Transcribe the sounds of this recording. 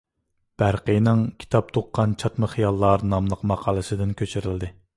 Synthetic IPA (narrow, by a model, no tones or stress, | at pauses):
b̥æɾqəjnɨŋkʲʰi̥t̪ʰɑp̚t̪ʰoqːɑnt͡ʃʰɑt̪məχijɑlˠːɑɾnɑmlˠəqmɑqʰɑːlˠɨsɨd̪ɪnkʲʰøt͡ʃʰyɾɪld̪ɪ